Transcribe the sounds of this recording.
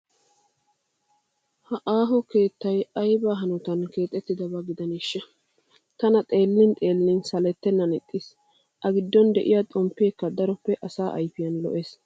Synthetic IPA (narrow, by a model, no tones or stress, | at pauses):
hɐʔaːɦɔke̞ːt̪ːɐjɐjbaːɦɐnʊt̪ɐnke̞ːt̪ʼːɛt̪ːɪd̪ɐbɐɡɪd̪ɐnɪʃːɛ | t̪ɐnɐt̪ʼe̞ːlːɪnt̪ʼe̞ːlːɪnsɐlɛt̪ːɛnːɐnɪt̪ʼːɪs | ʔɐɡɪd̪ːɔnd̪ɛʔɪjat̪ʼɔmpːeːkːɐd̪ɐɾɔpːɛʔɐsaːʔɐ̰jfɪjɐnlɔ̰ʔeːs